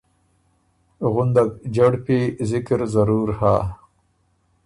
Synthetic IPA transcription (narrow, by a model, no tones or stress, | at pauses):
ɣʊnd̪aɡd͡ʒaɽpiːzɪkɾzɐɾuːɾhaː